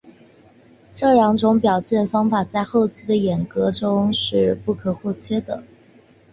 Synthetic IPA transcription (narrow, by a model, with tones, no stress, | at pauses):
ʈ͡ʂɤ˥˩ljɑ˧˥ŋʈ͡ʂʊ˧˥ŋpjɑ˨˩ʊɕjɛ˥˩nfɑ˥ŋfa˨˩t͡sa˥˧ɪxo˥˩ʊt͡ɕʰi˧˥d̪ə˨jɛ˨˩nkɤ˧˥ʈ͡ʂʊ˥ŋʂɻ̩˥˧pu˥˩kʰɤ˨˩xwɔ˥˩t͡ɕʰjɛ˥d̪ə̰˨˩